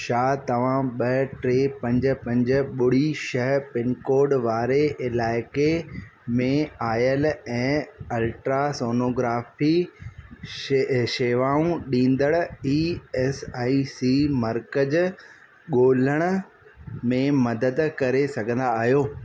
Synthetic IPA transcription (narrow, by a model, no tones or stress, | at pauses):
ʃaːt̪ɐʋ̤ãɓɐʈɾeːpɐ̃ɲd͡ʑʊ̆pɐ̃ɲd͡ʑʊ̆ɓʊɽ̤iʃɐɦpɪnkoːɾɖʋaːɾeʔɪlaːɪkemẽaːjəlɛ̃ːɐlʈɾasoːnoːɡɾaːfi | ʃeːʋaːũɗĩːnd̪əɽiːɛːsaːisiːmɐɾkəd͡ʑ | ɠoːləɽ̃ʊ̆ | mẽmɐd̪əd̪kɐɾesɐɡʱə̃n̆d̪aːɦijoː